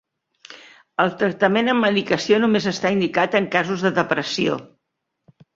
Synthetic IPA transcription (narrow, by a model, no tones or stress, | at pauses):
əlˠt̪ɾək̚t̪əmenəmːəðikəsionumezəst̪aind̪ikat̪əŋkazuzðəðəpɾəsio̰